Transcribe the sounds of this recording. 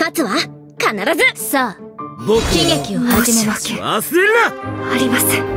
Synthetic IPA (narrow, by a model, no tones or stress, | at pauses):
kat͡sɨβa | kanaɾazɨsaːbokʲĩŋjakʲiohad͡ʑimemasa̰silaaɾʲimasɨ̥